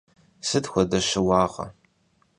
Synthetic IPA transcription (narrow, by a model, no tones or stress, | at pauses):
sɨtxʷɔdɐɕɪwɑːʁɐ̰